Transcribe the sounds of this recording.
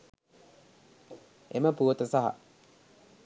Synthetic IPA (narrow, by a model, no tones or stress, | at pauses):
eməpuʋət̪əsaɦɐ̰